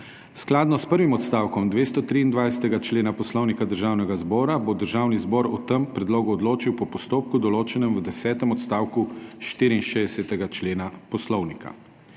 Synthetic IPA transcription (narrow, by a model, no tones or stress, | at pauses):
sklaːd̪nɔspəɾʋimɔt̪st̪aːwkɔmd̪ʋeːst̪ɔt̪ɾiːnd̪ʋajsɛ̥t̪ɛɡat͡ʃleːnapɔslɔwnikad̪əɾʒaːwnɛɡazbɔːɾabod̪əɾʒaːwnizbɔɾɔt̪əmpɾɛd̪loːɡuɔd̪loːt͡ʃiwpɔpɔst̪oːp̚kud̪ɔloːt͡ʃɛnɛmwəd̪ɛsɛːt̪ɛmɔt̪st̪aːwkuʃt̪iːɾinʃeːd̪ɛsɛt̪ɛɡat͡ʃleːnapɔslɔwnika̰